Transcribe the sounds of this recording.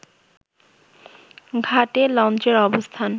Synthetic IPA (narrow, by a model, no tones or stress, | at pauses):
ɡʱaʈelɔnt͡ɕeɾɔbost̪ʰan